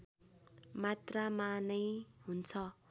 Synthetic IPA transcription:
mat̪ramanʌjɦunt͡sʰʌ

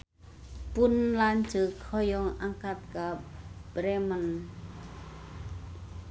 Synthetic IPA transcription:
punlaːnt͡ɕɯkʰːɔjɔŋʔaŋkat̪̚kabɾɛman

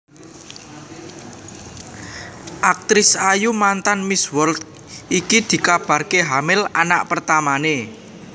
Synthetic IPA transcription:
ʔak̚t̪ɾɪsajumant̪anmiswɔlt̪ | ʔikid̪̥i̤kab̥a̤rkeɦamɪlana̰ʔpərt̪amane

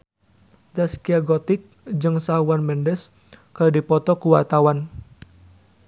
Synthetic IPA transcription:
d͡ʒaskiaɡɔt̪ɪk̚d͡ʒɨŋsaɦwanmɛndɛs | kərdipɔt̪ɔkuwart̪awan

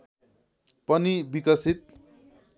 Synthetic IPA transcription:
pʌnibikʌsit̪̚

